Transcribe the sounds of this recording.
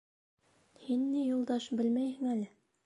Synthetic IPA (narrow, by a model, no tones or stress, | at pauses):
hinːijulˠd̪ɑʃbɘlmæjhɘ̆ŋælɘ